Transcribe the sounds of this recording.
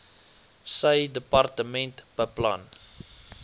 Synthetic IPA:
səjdəpɑrtəmɛ̃ntb̥əpla̰n

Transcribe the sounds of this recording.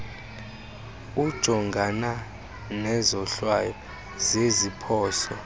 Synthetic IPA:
ud̥ʒ̥ʱɔŋɡʱana | nɛzɔɬwajɔ | zezipʰɔːsɔ

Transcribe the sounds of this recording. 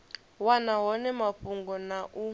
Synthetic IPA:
wanaɦɔnɛmaɸuŋɡɔnaʔu

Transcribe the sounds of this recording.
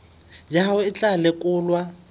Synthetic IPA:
jaʊɪt͡ɬʼalɪkʼʊːlwa

